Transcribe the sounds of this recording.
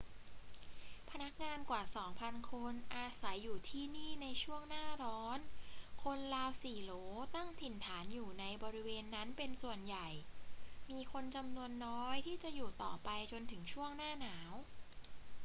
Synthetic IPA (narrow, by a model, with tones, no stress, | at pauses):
pʰa˧na˦˥k̚ŋaː˧nkwaː˨˩sɔː˩˦ŋpʰa˧nkʰo˧nʔaː˧sa˩˦jːuː˨˩t̪ʰiː˥˩niː˥˩na˧jt͡ɕʰu˥˩əŋnaː˥˩ɾɔː˦˥nkʰo˧nlaː˧wsiː˨˩loː˩˦t̪a˥˩ŋt̪ʰi˨˩nt̪ʰaː˩˦njuː˨˩na˧jbɔː˧ɾi˦˥weː˧nːa˦˥npe˧nsu˨˩ənja˨˩jmiː˧kʰo˧nt͡ɕa˧mnu˧ənːɔː˦˥jt̪ʰiː˥˩t͡ɕa˨˩ʔjuː˨˩t̪ɔ̰ː˨˩pa˧jt͡ɕo˧nt̪ʰɯ˩˦ŋt͡ɕʰu˥˩əŋnaː˥˩naː˩˦w